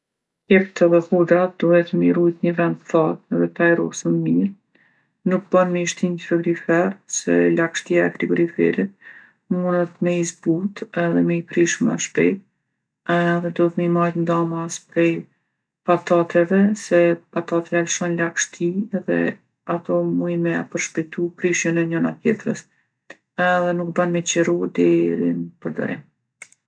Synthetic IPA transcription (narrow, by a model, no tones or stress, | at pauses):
ɛk̚t̪ɛðɛhud̪ɾad̪̥uhɛt̪əmiɾujt̪ɲəvɛnd̪θɔðɛðɛt̪ajɾɔ̰sənmiɾ | nuk̚bənmɛiʃt̪infɛɡɾifɛɾsɛlakʃt̪iaɛt̪ɾiɡɾifɛ̰ɾit̪̚ | munət̪mɛizbut̪ɛðɛmɛipɾiʃmɛ̰ʃpɛ̰jt̪̚ | ɛðɛd̪ɔθmimajnd̪amaspɾɛj | pat̪at̪ɛvɛsɛpat̪at̪ɛalʃɔnlakʃt̪iɛðɛ̰ | at̪ɔmujmɛapəɾʃpɛjt̪upɾiʃjənɛɲɔna̰t̪jɛt̪ɾə̰s | ɛðɛnuk̚banmɛt͡ɕɛɾud̪ɛɾḭnpəɾd̪ɔ̰ɾḭm